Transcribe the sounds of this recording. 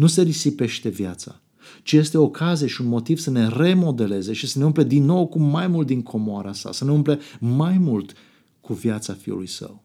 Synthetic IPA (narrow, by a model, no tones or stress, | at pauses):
nuse̞ɾisipe̞ʃt̪e̞vjat̪sa̰ | t͡ʃije̞st̪e̞okʰazieʃiunmo̞t̪iv̥səne̞re̞mo̞d̪e̞le̞ze̞ʃisəne̞umple̞d̪inːo̞wkumːajmult̪̚d̪iŋkʰo̞moaɾasa̰səneumplemajmult̪ | kuvjat̪safiṵlṵjsə̰w